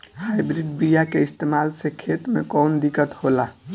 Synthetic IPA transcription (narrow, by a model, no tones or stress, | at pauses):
ɦajbɾiɖbijakeist̪emalsekʰet̪mekɔnd̪ikət̪hola